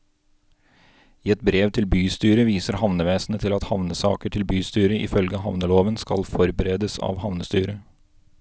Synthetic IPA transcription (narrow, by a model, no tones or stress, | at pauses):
iːɛt̪̚bɾeːʋt̪ʰɪlbyːst̪yːɾəʋiːsəɾhɑʋnəʋeːsnət̪ʰɪlɑt̪hɑʋnəsɑ̰ːkəʈʰɪlbyːst̪yːɾəʔɪ̰fœlɡəɦɑʋnəloːʋənskɑ̰lfɔɾbəɾeːd̪əsɑ̰ːʋhɑʋnəst̪yːɾə